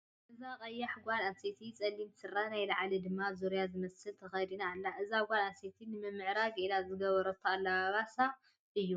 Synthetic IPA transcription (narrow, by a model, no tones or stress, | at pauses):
ʔɨzakʼɐjːaħɡʷananset̪ʰit͡sʼɐlːimsɨrːanajlɐʕlid̪ɨmːazuɾijazɨmɐsɨlt̪ʰɐxɐjd̪inaːlːaʔɨzaɡʷananset̪ʰinɨmɨmːɨʕɾaɡilazɨɡɐβɐɾɐt̪ʰːalːaβaβasa | ʔɨjːu